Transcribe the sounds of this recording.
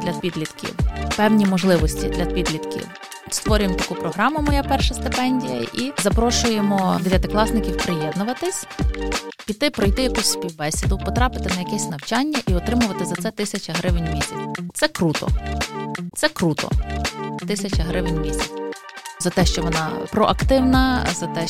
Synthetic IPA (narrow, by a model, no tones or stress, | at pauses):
d̪̥lʲɐpʲid̪lʲit̪kʰʲḭwpɛwnʲimɔʒlˠɪʋɔsʲtʲid̪lʲɐpʲid̪lʲid̪kʲḭw | st̪ʋɔɾʲʊjemt̪ɐkupɾɔɦɾɑmʊmɔjapɛrʃɐst̪ɪpɛnʲdʲijɐʔizɐpɾɔʃʊjemɔd̪eʋʲjɐt̪ɪklˠɑsnɪkʲiwpɾɪjɛd̪nʊʋɐt̪ɪsʲ | pʲit̪ːɪpɾɔjt̪ɪjɐkɔsʲspʲiwbɛsʲid̪ʊwpɔt̪ɾɑpɪ̥t̪ɪnɐjɐkɛsʲnɐwt͡ʃɑnʲːɐʔiɔt̪ɾɪmʊʋɐt̪ɪzɐt̪sɛt̪ɪsʲɐt͡ʃɐɦɾɪʋɪnʲmʲisʲɐ̰t͡sʲt̪ɛkɾut̪ɔ̰ | t̪sɛkɾut̪ɔ̰t̪ɪsʲɐt͡ʃɐɦɾɪʋɪnʲmʲisʲɐt͡sʲ | zɐt̪ɛʃt͡ʃɔʋɔnɑ̰pɾɔʔɐkt̪ɪwnɐzɐt̪ɛ